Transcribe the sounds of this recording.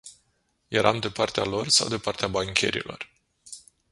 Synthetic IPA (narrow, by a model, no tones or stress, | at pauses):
je̞ɾʔamd̪epart̪ealo̞rsa̰wd̪epart̪eabaŋkʲʰe̞̰ɾḭlʔo̞̰r